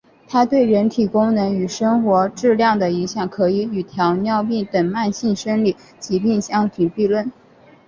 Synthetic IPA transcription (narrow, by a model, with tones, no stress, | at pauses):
t̪ʰa˥t̪we˥˩ɪɻə˧˥nt̪ʰi˨˩kʊ˥ŋnɤ˧˥ŋy˨˩ʂɤ˥ŋxwɔ˧˥ʈ͡ʂɻ̩˥˧ljɑ˥˩ŋd̪ə˩i˧˥ŋɕjɑ˨˩ŋkʰɤ˧˥i˧˥y˨˩t̪ʰjɑ˧˥ʊnjɑ˥˧ʊpi˥˩t̪ə˨˩ŋma˥˧nɕi˥˩nʂə˥nli˨˩˦ | t͡ɕi˧˥pi˥˩ŋɕjɑ˥ŋt̪ʰy˨˩pi˥˧lwə˥˩n